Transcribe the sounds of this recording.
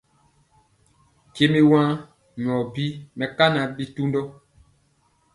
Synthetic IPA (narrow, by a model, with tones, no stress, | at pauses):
ke˦me˦wã˦ | ɲ˨ɔ˨bi˦mɛ˨ka˦na˨bi˦tu˦ndɔ˦